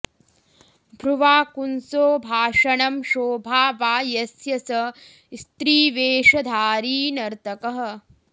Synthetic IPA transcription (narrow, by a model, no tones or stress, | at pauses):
bʱɾuʋaːkunsoːbʱaːʂɐɳɐmʃoːbʱaːʋaːjɐsjɐsɐ | st̪ɾiːʋeːʂɐd̪ʱaːɾiːnɐɾt̪ɐkɐɦɐ̆